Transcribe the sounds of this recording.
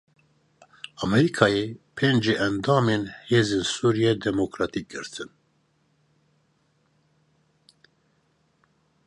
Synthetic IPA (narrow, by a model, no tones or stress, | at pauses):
ɑmɛɾikʰɑːjepʰeːnd͡ʒeːʔɛnd̪ɑːmeːnheːzeːnsuːɾijɛd̪ɛmokɾɑt̪ʰik̚ɡ̥ɨɾt̪ʰɨn